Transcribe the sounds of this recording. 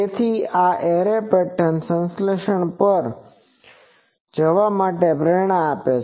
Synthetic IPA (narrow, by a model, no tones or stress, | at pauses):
et̪ʰiaʔeɾepeʈənsə̃nsleʃəɳpəɾ | d͡ʒəʋamaʈepɾɛɾɳ̃aapet͡ʃʰ